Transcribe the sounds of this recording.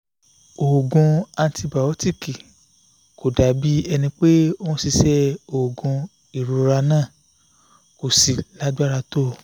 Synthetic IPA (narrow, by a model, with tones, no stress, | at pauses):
o˨ɡɔ̃˧ã˧n˦tʰi˧ba˨o˦ti˦˨ki˨ | kʰo˨da˨˦bi˦ɛ˧nĩ˧k͡pe˦ɔ̃˦si˧sɛ˦o˨ɡɔ̃˧ | i˨ɾo˨ɾa˧nãː˦˨ | ko˨si˨la˦da˦ɾa˧to˦˨